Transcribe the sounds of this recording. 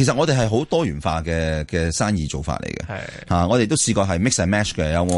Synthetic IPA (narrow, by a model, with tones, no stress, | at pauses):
e˨˩sɐ˨t̚ɔː˨˧t̪e˨ɦɐ˨jɦo˨˥wt̪ɔː˥jyː˨˩nfa̰ː˧kɛː˧kɛː˧saː˥njiː˨t͡so˨wfa̰ː˧t̚lḛ˨˩jkɐ̰˧ | haː˨ŋɔː˨˧e˨jt̪o˥wsiː˧kɔː˧ɦɐ˨jmɪ˥ksa˨˩mɛː˦˥t͡ʃkɛ˧jɐ˨˧wŋɔ˧